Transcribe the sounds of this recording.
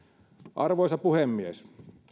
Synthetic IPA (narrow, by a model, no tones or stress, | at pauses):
ʔɑrʋoˑisɑpuhemːies